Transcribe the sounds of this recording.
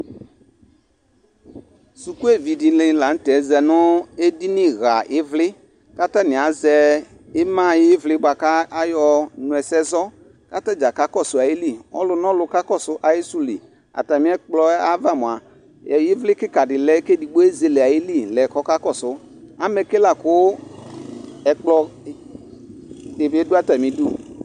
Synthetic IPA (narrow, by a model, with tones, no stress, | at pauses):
su˨ku˦e˦˨vi˨di˨lɪ̃˨˦la˨n̩˦tɛ˨˦zɛ˨nʊ˦e˦di˦nɪ̃˦ɣa˨ʔɪ˦vlɪ˦ | ka˦ta˦nɪ̃˨a˨˦zɛ˨ | ɪ˦mã˦˨jɪ˦vlɪ˦ɡ͡ba˨ka˦a˦jɔ˨nʊ̃˨ɛ˨sɛ˦zɔ˦ | ka˦ta˦d͡ʒa˨ka˦kɔ˦˨sʊ˨a˨ji˦li˦˨ɔ̰˦lʊ˨nɔ̃˦lʊ˧ka˦kɔ˦˨sʊ˦ʔa˨jɪ˦su˦˨li˨ | a̰˨ta˨mĩ˦ɛ˦k͡plɔ˦a˦va˦˨mʊ̃˨a˨ | jɛ˨jɪ˦vlɪ˦kɪ˦ka˨dɪ˨lɛ˦ke˦di˨ɡ͡bo˦e˦ze˦lɛ˨a˨jɪ˦li˦˨lɛ˨kɔ˦ka˦kɔ˦˨sʊ˦ | a˦mɛ˨ke˦la˨kʊ˦ | ɛ˨k͡plɔ˧ | dɪ˨bdʊ˦a˦ta˨mĩ˦du˦